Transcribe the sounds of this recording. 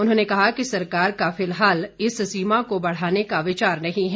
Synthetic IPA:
ʊnɦõːnekɐɦakisɐɾkaːɾkafɪlɦaːlɪssiːmakobɐɽ̤aːnekaʋɪt͡ʃaːɾnɐɦĩɦɛ

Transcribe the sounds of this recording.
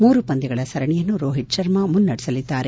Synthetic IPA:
muːɾupɐnd̪iɡɐɭɐsɐɾɐɳijɐnːuɾoːɦiʈ̚ʃɐɾmɐmunːɐɽɛsɐlid̪ːaːɾe

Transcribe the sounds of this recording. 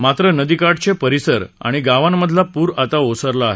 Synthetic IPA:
mat̪ɾənəd̪ikaʈt͡ɕepəɾisəɾa̰ɽ̃iɡaʋãmːəd̪ʱlapuːɾat̪aosəɾlaːɦe

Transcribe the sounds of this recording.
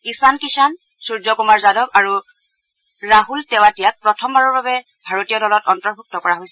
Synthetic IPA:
isankisan | suɹd͡ʒɔkumaɹzadɔbaɹu | ɹaɦultɛw̃atijak̚pɹɔtʰɔmbaɹɔɹbabɛ | bʱaɹotijɔlɔlɔtɔntɔɹbʱuk̚tɔkɔɹaɦojsɛ

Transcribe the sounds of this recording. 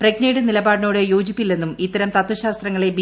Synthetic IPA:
prɐɡnɐjɽɨnilɐbaːɽɨnoːɽejoːd͡ʑipːilːe̞nːumit̪ːɐɾɐmt̪ɐt̪wɐɕaːst̪rɐŋːɐɭe̞bi

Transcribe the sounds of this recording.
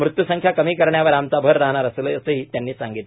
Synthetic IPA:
mɾut̪jusəŋkʰjakəmiːkəɾɳjaʋəɾamt͡sabʱəɾːaɦɳaɾəsləəsəːɦiːt̪janːiːsaŋɡit̪l

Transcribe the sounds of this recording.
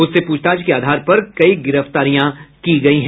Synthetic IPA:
ʊsːepuːt͡ʃʰt̪aːd͡ʒkeaːd̪ʱaːɾpɐɾkɐiɡɪɾəft̪aːɾijãkiɡɐiɦɛ̃

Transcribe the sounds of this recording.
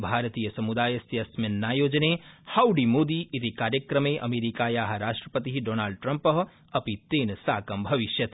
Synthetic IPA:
bʱaːɾt̪iːjəsɐmud̪aːjəsjɐsmɐnːaːjoːd͡ʒneːhaːwɖimoːd̪iʔɪt̪ikaːɾjəkɾɐmẽʔɐ̰meːɾikaːjaːɦɐɾaːʃʈɾəpət̪iɦiɖoːnaːɭɖ̚ʈɾɐ̃mpɐɦ | ɐpit̪eːnsaːkɐmbʱɐʋɪʃjɐt̪

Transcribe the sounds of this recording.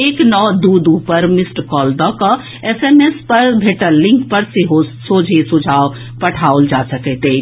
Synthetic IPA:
eːknɔːd̪uːd̪upəɾmɪsʈkɔːld̪aka | eseːmespɐɾbʱeːʈəlːɪ̃ŋkpəɾseɦosoːd͡ʒʱesʊd͡ʒʱaːo | pɐʈʰaːold͡ʒaːsɐkɛt̪e

